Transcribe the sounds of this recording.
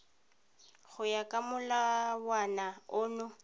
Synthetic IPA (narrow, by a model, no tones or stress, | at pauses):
ɣʊjakʼamʊlawanaʊːnʊ